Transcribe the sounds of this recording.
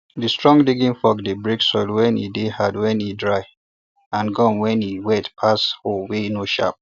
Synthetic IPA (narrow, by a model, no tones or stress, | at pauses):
distɹɔ̃ŋɡdiɡĩnfɔk̚debɹiksɔdwɛ̃nḭdehadwɛ̃nidɹaɪ | ãnɡɔ̃nwɛ̃niwɛtpʰasholwenoʃa̰p̚